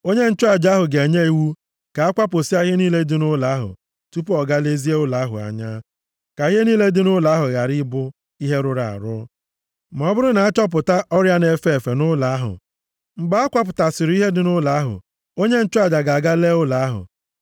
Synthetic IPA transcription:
o˦ɲe˦n̩˦t͡ʃʊ˦a˨d͡ʒa˨˦ɦʊ˨ɡe˨ɲe˦i˨wu˦ | ka˨a˦kʷa˦po˨si˦a˦ɣɪ˦niː˦le˦dɪ˦nʊ˦la˨˦ɦʊ̰˨ | tu˦p̬ɔ˨ɡa˦le˦zi˦e˦ʊ˦la˨˦ɦʊ̰˨a̰˨ɲa˦ | ka˨i˦ɦe˦niː˦le˦dɪ˦nʊ˦la˨˦ɦʊ˨ɣa˨ɾi˦bʊ˦ | i˦ɦe˦ɾʊ˦ɾa˨a̰˨ɾʊ̰˦ | m˨ɔ˨˦bʊ˦ɾʊ˦na˨a˦t͡ʃɔ˦p̬ʊ˨ta˦ʔɔ˦ɾja˦ne˨fe˦˨fe˨nʊ˦la˨a˦ɦʊ̰˨ | m̩˨ɡ͡ba˦a˦kʷa˦p̬ʊ˨ta˨sɪ˨ɾʊ˦i˦ɦe˦dɪ˦nʊ˦la˨˦ɦʊ̰˨ | o˦ɲe˦n̩˦t͡ʃʊ˦a˦˨d͡ʒa˨ɡa˨ɡa˦le˦ʊ˦la˨a˦ɦʊ̰˨

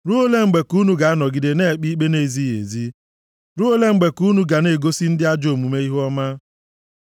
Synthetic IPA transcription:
ɾu˦o˦le˦ŋ͡m̩˨ɡ͡be˨ku˦nu˦ɡa˨a˦nɔ˨ɡi˨de˨ne˦˨k͡pi˦k͡pe˦ne˨zi˦jḛ˨zi˦ | ɾu˦o˦le˦ŋ͡m̩˦ɡ͡be˨ku˦nu˦ɡa˨ne˨ɡo˦si˦n̩˦dɪ˦a˦d͡ʒo˨mu˨me˦i˦ɦɔ˦ma˦

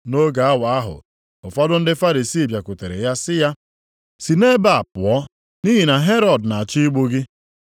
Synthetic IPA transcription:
no˦ɡa˨a˦wa˨a˦ɦʊ̰˨ | ʊ˨fɔ˦dʊ˦n̩˦dɪ˦fa˦ɾi˨si˦˨bja˨kʊ˨te˨ɾḛ˨ja˦sɪ˦ja˦ | si˨ne˦ba˨a˨pʊ˨ɔ˦ | ni˦ɦi˨na˨ɦe˦ɾɔ˨dna˨a˨t͡ʃi˦ɡ͡bo˦ɡɪ˦

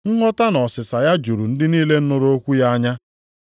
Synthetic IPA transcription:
ŋ̩˦ŋɔ˦ta˦nɔ˨sɪ˨sa˨ja˦d͡ʒu˨ɾu˨n̩˦dɪ˦niː˦le˦n̩˦nʊ˦ɾo˦kʷu˦ja˦ɲa˦

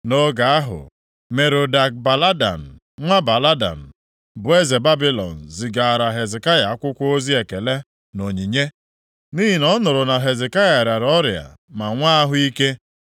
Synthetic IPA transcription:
no˦ɡa˨a˦ɦʊ̰˨ | me˨ɾo˨da˨k̚ba˨la˦da̰˨n̩˨ | ŋʷa˦ba˨la˦da̰˨n̩˨ | bʊ˨e˦ze˨ba˦bi˦lɔ̰˨n̩˨zi˨ɡa˨a˨ɾa˨ɦe˨zɪ˨ka˦ja˨a˦kʷʊ˦kʷo˦zi˦e˨ke˨le˦ | no˨ɲi˨ɲe˦ | niː˦ɦi˨nɔ˦nʊ˨ɾʊ˨na˨ɦe˨ze˨ka˦ja˨ɾa˨ɾɔ˦ɾja̰˨ | ma˨ŋʷa˦a˦ɦʊ˦i˦ke˦

